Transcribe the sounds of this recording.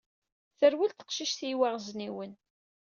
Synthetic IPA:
θəɾwilt̪ə̥qʃiʃθiwæʁzniwən

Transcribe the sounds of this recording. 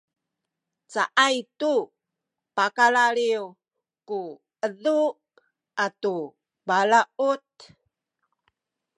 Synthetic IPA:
t͡saʔajtu | pakalaɾiu | ku | əðu | atu | balaʔut

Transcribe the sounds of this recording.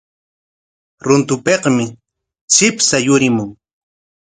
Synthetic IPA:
ɾʊnt̪ʊpeqmɪ | t͡ʃɪpsajʊɾɪmʊŋ

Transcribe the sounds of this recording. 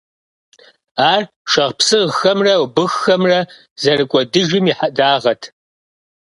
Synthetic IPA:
aːr | ʃɐʁpsɨʁxɐmrɐwbɨxːɐmrɐ | zɐrɨkʷʼɔdɨʒɪmiħadaːʁɐtʰ

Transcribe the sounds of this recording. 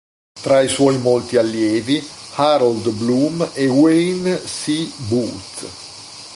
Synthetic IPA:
t̪ɾaiswɔjmɔlt̪ialːjeːvihaɾɔld̪blumɛwensibut̪

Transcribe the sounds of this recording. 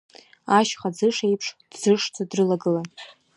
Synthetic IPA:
aʃχad͡zɨʂejpʰʂd̥d͡zɨʂd͡zadrɨlaɡɨlan

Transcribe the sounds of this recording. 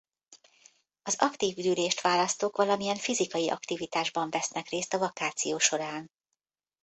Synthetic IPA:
ɒzɒkt̪iːvdyːleːʃt̪ʋaːlɒst̪oːkʋɒlɒmijɛɱfizikɒjiʔɒ̰kt̪ivit̪aːʒbɒɱvɛsnɛkreːst̪ɒvɒkaːt̪sijoːʃo̞ɾaːn

